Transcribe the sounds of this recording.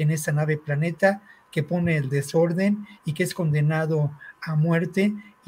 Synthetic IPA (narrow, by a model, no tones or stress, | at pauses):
ene̞st̪anaβe̞plane̞t̪ake̞po̞ne̞ːld̪e̞so̞ɾðe̞nikeesko̞nd̪e̞naðo̞amwe̞ɾt̪e̞